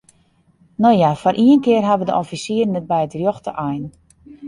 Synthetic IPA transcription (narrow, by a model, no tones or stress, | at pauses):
nɔjafɔɾʔiənkɪərɦaʋədə̰ʔɔfisiərnɛt̚bɛjətrjoxtə̰ʔajn